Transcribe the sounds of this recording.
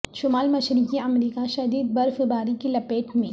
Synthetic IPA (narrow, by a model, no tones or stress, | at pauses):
ʃʊmaːlmɐʃɾiːkiɐmɾiːkaʃɐd̪iːd̪̚bɐɾfbaːɾikelɐpeːʈmẽ